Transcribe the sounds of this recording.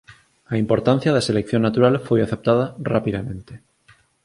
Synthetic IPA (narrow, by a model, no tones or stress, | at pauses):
aimpo̞ɾt̪an̟θjaðese̞lekθjo̞nːat̪uɾalfwojaθep̚t̪aðara̰piðamẽnt̪e